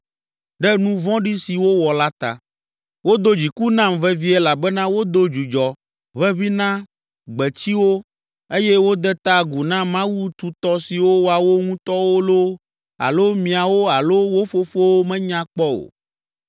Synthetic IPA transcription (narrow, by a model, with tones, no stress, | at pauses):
ɖɛ˦nũ˦vɔ̃˦ɖi˦si˨wo˦wɔ˨la˦t̪a̰˨ | wo˦d̪o˦d͡ʑi˨ku˦nã˦mvɛ˦vi˦ɛ˦la˨bɛ˦nã˦wo˦d̪o˦d͡ʒu˨d͡ʒɔ˨ | βɛ˦βi˦nã˦ | ɡ͡bɛ˨t͡ɕi˦wo˦ | e˦jɛ˦wo˦d̪ɛ˦t̪a˦ɡu˨nã˦mã˦wu˦t̪u˨t̪ɔ˦si˨wo˦wa˨wo˦ŋũ˦t̪ɔ˦wo˦lo˦ | a̰˨lo˦mĩ˨a˨wo˦a˨lo˦wo˦fo˦fo˦wo˦mɛ̃˦ɲã˦k͡pɔ˦o̰˨